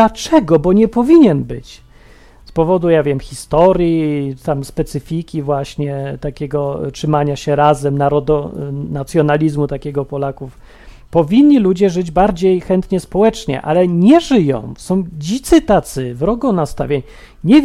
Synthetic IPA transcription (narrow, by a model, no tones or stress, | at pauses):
at͡ʂɛɡɔbɔɲɛpɔvʲiɲɛnbɘ̰t͡ɕ | spɔvɔd̪ujavʲjɛmxʲist̪ɔɾjit̪amspɛt̪sɘfʲikʲivwaɕɲɛt̪akʲɛɡɔtʂɘmaɲaɕɛɾazɛmnaɾɔd̪ɔnat̪sʲjɔnalʲizmut̪akʲɛɡɔpɔlakuf | pɔvʲiɲʲːilud͡ʑɛʐɘd͡ʑbaɾd͡ʑejxɛnt̪ɲɛspɔwɛt͡ʂɲɛ̰ʔa̰lɛɲɛʐɘjɔ̰̃w̃sɔ̃w̃d͡ʑit̪sɘt̪at̪sɘvɾɔɡɔnast̪a̰vʲjaɲ | ɲɛ